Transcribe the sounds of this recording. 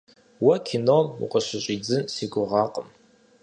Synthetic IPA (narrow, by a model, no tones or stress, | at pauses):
wakʲʰinolṵqʼəʃʷɪɕʷʼid͡zɨnsiɡʷʊʁaqʼəm